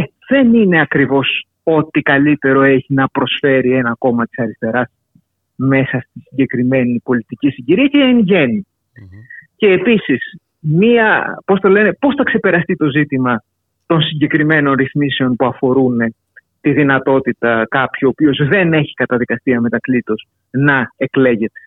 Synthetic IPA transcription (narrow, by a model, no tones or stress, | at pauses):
e | ðe̞nine̞ɐkɾivo̞s | o̞t̪ikɐlit̪e̞ɾo̞eçinɐpɾo̞sfe̞ɾie̞nɐko̞mɐt̪i̥sɐɾist̪e̞ɾɐs | me̞sɐst̪isiɲɟe̞kɾime̞nipo̞lit̪icisiɲɟiɾiɐceenʝe̞ni | ce̞ːpisis | miɐpo̞st̪ɐle̞ne̞po̞sθɐkse̞pe̞ɾɐst̪it̪o̞zit̪imɐ | t̪o̞nsiɲɟe̞kɾime̞no̞nɾiθmise̞o̞npuɐfo̞ɾune̞ | t̪iðinɐt̪o̞t̪it̪ɐkɐpçio̞pio̞zðe̞ne̞çi̥kɐt̪ɐðikɐst̪iɐme̞t̪ɐklit̪os | nɐe̞kle̞ʝe̞t̪e̞̥